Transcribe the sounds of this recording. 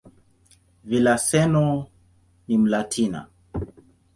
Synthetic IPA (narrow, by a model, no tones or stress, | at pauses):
vilasɛnɔ | nim̩latʰina̰